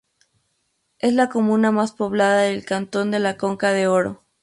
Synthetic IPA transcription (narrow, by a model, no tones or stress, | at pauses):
e̞slako̞mũnamaspo̞β̞laðaðelkant̪o̞nd̪e̞lako̞ŋkaðe̞oɾo̰